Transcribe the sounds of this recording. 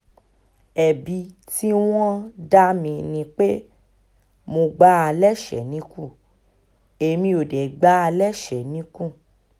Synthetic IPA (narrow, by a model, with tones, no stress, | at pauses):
ɛ˨bi˨˧ti˦w̃ɔ̃˦da˦mĩ˧nĩ˧k͡pe˦ | mo˧ɡ͡ba˦a˧lɛ˦˨ʃɛ̰˨nĩ˨˦kũ˦˨ | e˧˨mĩ˧o˨dɛ˨ɡ͡ba˦a˧lɛ˦˨ʃɛ˨nĩ˨˦kũ˦˨